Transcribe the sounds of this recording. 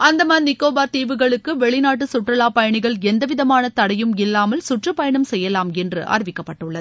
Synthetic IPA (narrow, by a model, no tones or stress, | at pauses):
ɐnd̪ɐmɐːnnɪkːoːbaːɾt̪iːʋɯɣɐɭɯkːɯʋɛɭɪnaːʈ̬ːɯsʊʈrɐlaːpɐjɐɳɪɣɐɭɛnd̪ɐʋɪðɐmaːnɐt̪ɐɽɐjɯmɪlːaːmɐlsʊʈrɯpɐjɐɳɐmsɛjːɐlaːmɛndrɯʔɐ̰ɾʋɪkːɐpːɐʈːɯɭːɐð